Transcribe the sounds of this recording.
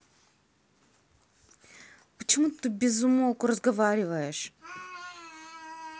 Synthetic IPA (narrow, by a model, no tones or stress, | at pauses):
pət͡ʃɪmut̪t̪ɨbʲɛzumokʊɾɐzɡɐvaɾʲivəjɛʃ